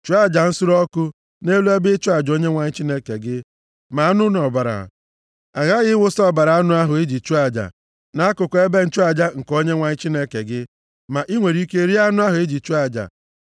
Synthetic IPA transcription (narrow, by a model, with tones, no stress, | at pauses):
t͡ʃu˦a˦d͡ʒa˨n̩˦sʊ˦ɾɔ˦kʊ˦ | ne˦lu˦e˦bɪ˦t͡ʃu˦a˨d͡ʒo˦ɲe˦ŋʷa˨ɲɪ˦t͡ʃi˦ne˦ke˨ɡɪ˦ | ma˨a˦nʊ˦nɔ˨ba˨ɾa̰˨ | a˨ɣa˦ɣɪ˦wʊ˦sɔ˦˨ba˨ɾa˨a˦nʊ˦a˦ɦʊ˨e˦d͡ʒi˨t͡ʃu˦a˨d͡ʒa̰˨ | na˨˦a˦kʊ˨ke˦be˦n̩˦t͡ʃu˦a˦d͡ʒa˦ŋ̩˨ko˦ɲe˦ŋʷa˨ɲɪ˦t͡ʃi˦ne˦ke˨ɡɪ˦ | ma˨ʔi˦ŋʷe˨ɾi˦ke˦ɾi˦a˦nʊ˦a˦ɦʊ˨e˦d͡ʒi˨t͡ʃu˦a˦˨d͡ʒa̰˨